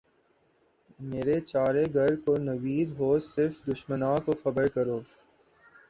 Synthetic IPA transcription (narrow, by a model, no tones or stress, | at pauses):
meːɾet͡ʃaːɾeɡʱɐɾkonɐʋiːd̪ɦoːsɪɾfd̪ʊʃmənãːkoxɐbəɾkɐɾoː